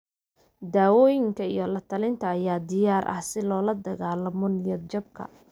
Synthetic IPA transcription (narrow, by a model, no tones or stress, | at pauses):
d̪aːwɔːjɪŋkʰɐijɔlɐt̪ʰɐlɪnt̪ʰɐːjaːd̪ɪjaːrʔɐ̰hsɪlɔːlɐd̪ɐɣaːlɐmɔnɪjɔd̪̚d͡ʒɐb̚kʰɐ̰